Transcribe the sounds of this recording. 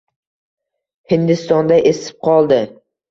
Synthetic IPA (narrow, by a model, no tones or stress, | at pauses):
hɪnd̪ɪst̪ɒnd̪aʔesɪ̥p̚qʰɒlˠd̪ɪ